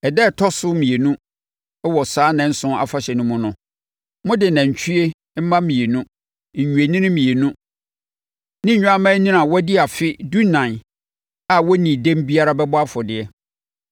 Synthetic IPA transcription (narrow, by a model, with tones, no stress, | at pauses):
ɛ˨dɛ˦˨tʰɔ˦sʊ˦mĩ˨e˨nũ˦ | ɛ˦wɔ˨saː˦nã˨n̩˦sʊ̃˦a̰˨fa˦ɕɛ˨nʊ̃˦mʊ̃˦nʊ̃˨ | mʊ̃˦dɪ˨nã˨ɲ˨t͡ɕʰᶣu˦e˦ | m̩˦mã˦mĩ˨e˨nũ˦˨ | ɲũ˨e˨nĩ˦nɪ̃˦mĩ˨e˨nũ˦ | nɪ̃˦ɲ̩˨ɲ̃ᶣ˦a˦mã˦nĩ˦nã˨wɔ˦dɪ˦a˨fɪ˦du˦nã˨n | a˨wɔ˦nĩ˨dɛ̃˦m˦bi˦a˦ɾa˦bɛ˦bʊ˦a˦fʊ˨dɪ˨ɛ˦